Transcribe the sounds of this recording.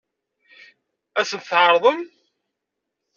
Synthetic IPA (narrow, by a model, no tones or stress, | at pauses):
æsənt̪θʕəɾˤðˤəm